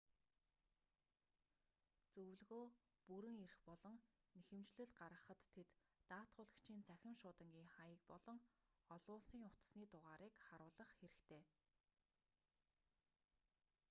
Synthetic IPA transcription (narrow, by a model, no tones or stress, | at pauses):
t͡sɵwɮɣoː | puɾɘ̆ŋerxpɔɮɞ̆ŋ | nexɘ̆mt͡ɕɮɘ̆ɮɢaɾʁə̆χə̆t̪ʰːet̪ːaːt̪χʊːɮə̆kt͡ɕʰiːnt͡sʰæxʲɪ̆mʃʊːt̪ə̆ŋɡʲiːŋχajə̆k̚pɔɮɞ̆ŋɔɮʊːsiːŋʊt̪̆sniːt̪ʊʁaːɾiːkχaɾʊːɮə̆χxeɾɘ̆xt̪ʰeː